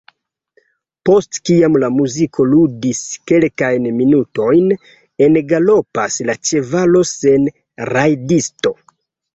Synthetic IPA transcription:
po̞stkiamlamuzikʰo̞ludiske̞lkajnminuto̞jn | e̞nɡalo̞paslat͡ʃe̞valo̞se̞n | ɾajdisto̞

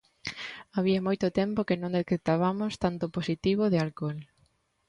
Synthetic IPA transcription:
aβiamojt̪ʊt̪ɛmpokɪnõŋd̪ekɾet̪aβamʊst̪ant̪ʊposit̪iβ̞ʊðɪalkol

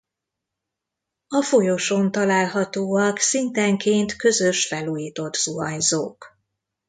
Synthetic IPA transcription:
ɒfo̞jo̞ʃo̞nt̪ɒlaːlɦɒt̪oːɒksint̪ɛŋkeːnt̪kø̞zø̞ʃfɛluːjiːt̪o̞t̪z̥uɒɲzoːk

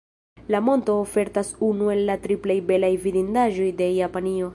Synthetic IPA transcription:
lamo̞nto̞ːfe̞ɾtasunue̞lːatɾiplejbe̞lajvidindaʒo̞jde̞japanio̞

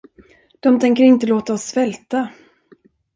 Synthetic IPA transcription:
d̪̥ɔmt̪ʰɛŋkəɾɪnt̪əloːt̪aɔsːvɛlt̪a

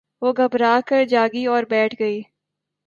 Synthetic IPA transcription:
ʋoːɡʱəbɾaːkəɾd͡ʒaːɡiːɔːɾbɛːʈʰɡəiː

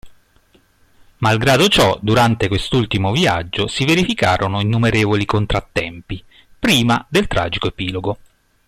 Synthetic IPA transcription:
malɡɾaːd̪ot͡ʃɔd̪uɾant̪ekwest̪ult̪imovia̰d͡ʒːosiveɾifikaːɾʔonoinːumeɾeːvolikont̪ɾat̪ːɛmpi | pɾiːmad̪elt̪ɾa̰ːd͡ʒikoepiːloɡo

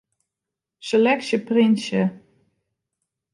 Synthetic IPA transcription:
selɛksjəprɪnsjə

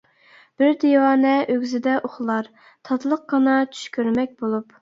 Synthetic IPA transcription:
b̥ɪɾd̪ewɑːnɛʔøɡʲzɪd̪ɛʔoχlˠɑɾ | t̪ʰɑt̪lˠəqːɑnɑt͡ʃʰy̥ʃkʲøɾmɛk̚ʲbolˠup

